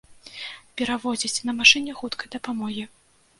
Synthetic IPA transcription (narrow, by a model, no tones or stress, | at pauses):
pʲɛɾavɔd͡zʲit͡sʲnɐmaʂɨnʲɛxut̪kɐjd̪ɐpamɔɣʲi